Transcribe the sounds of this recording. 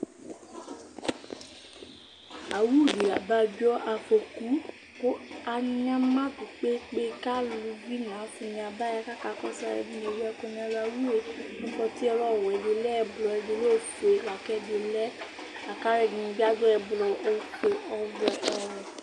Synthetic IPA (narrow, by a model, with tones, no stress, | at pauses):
a˨wu˦˨di˨ɾa̰˨ba˧˦d͡ʒɔ˦ʔa˧fo˧ku˨˦ | ko˦a˧n˦ã˦mã˦tu˨k͡pe˦k͡pe˦˧ka˦lu˧ɡi˦nã˨˦fũ˧nĩ˧a˧ba˦a˧ka˦ka˦kɔ˦sa˧ɾɛ̰˧˨dĩ˧ne˨jɛ˧kõ˧nĩ˧a˧la˧wu˦e˨n̩˦k͡pɔ˧ti˦ɛ˧ɾɔ˦˨wɛ˨de˨˧˦lɛ˦ɛ˧˨blɔ˧ɛ˧di˧lo˦˨fo˨e˨wa˨kɛ˦de˧˨lɛ˦ | a˨ka˦ɾɛ˧dĩ˧ĩ˧ɡ͡ba˦d͡ʒɔ˦ɛ˧blɔ˧ʔo˧k͡po˨ɔ˧vɔ˧ʔɔ˧ɾɔ˨